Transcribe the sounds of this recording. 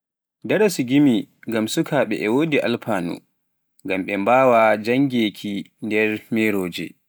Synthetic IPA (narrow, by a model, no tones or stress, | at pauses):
dɐɾasuɡʲimiŋɡamsukʰaːɓɛ̰ʔɛwoːdiʔa̰lpaːnṵ | ŋɡamɓɛmbaːwad͡ʒaŋɡʲeːkʰi | ndɛrmeːɾoːd͡ʒɛ̰